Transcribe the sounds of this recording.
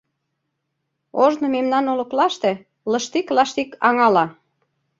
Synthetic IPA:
oʒnɤ̆memnɑnolɤ̆klɑʃt̪e | lɤ̆ʃt̪iklɑʃt̪ikʰɑŋɑlɑ

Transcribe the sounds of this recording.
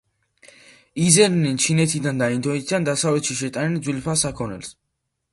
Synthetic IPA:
izɛdnɛnt͡ʃʰinɛt̪ʰid̪and̪aind̪ʰɔɛt̪ʰid̪and̪asavlɛt̪ʃiʃɛt̪ʼanɛnd̪zwilpʰasakʰɔnɛ̰ls

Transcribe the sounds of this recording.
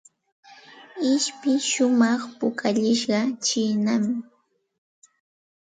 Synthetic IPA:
ɪʃpɪʃʊmɑχpʊkʰaʎɪʃɢɑt͡ʃɪːnamɪ

